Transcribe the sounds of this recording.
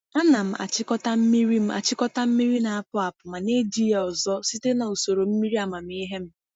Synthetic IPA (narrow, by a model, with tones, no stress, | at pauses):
a˦na˨m̩˦a̰˨t͡ʃɪ˦kɔ˦ta˦m̩˦mi˦ɾi˦m̩˦a̰˨t͡ʃɪ˦kɔ˦ta˦m̩˦mi˦ɾi˦na˨a˦pʊ˦a˨pʊ˨ma˨ne˦di˦ja˨ɔ˨zɔ˦si˦te˦na˨o˨so˨ɾo˨m̩˦mi˦ɾi˦a˨ma˨m̩˦i˦ɦe˦m̩˦